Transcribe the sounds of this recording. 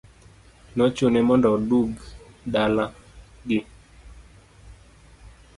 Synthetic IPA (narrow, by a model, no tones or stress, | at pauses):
nɔt͡ʃonɛmɔndɔduɡdalaɡɪ